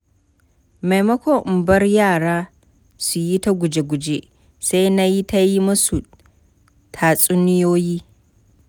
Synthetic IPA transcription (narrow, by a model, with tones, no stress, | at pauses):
ma˨jmɐ˦kʷo˦˨ʔʊ˨mbɐ˦rjaː˦˨ɽaː˦ | su˨ji˦ta˦ɡʷʊ˨d͡ʒe˨ɡʷʊ˨d͡ʒe˦ | sa˦jna˦ji˦ta˦ji˦mʊ˦su˨ | tʰaː˨sʼʊ˦nɪ˦joː˦jiː˦